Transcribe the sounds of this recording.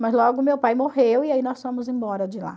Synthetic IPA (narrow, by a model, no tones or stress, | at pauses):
mɐzlɔɡʊmewpajmohewiainɔsfõmʊzẽbɔɾɐd͡ʒɪla̰